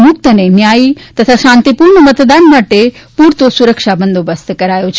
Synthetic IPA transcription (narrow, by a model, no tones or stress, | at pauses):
mʊk̚t̪ənẽmjaːit̪ɐt̪ʰaʃãːnt̪ipuːɾɳəmɐt̪d̪aːnmaʈepuːɾt̪osuɾəkʃabə̃nd̪ʱobəst̪kɐɾaːjot͡ʃʰ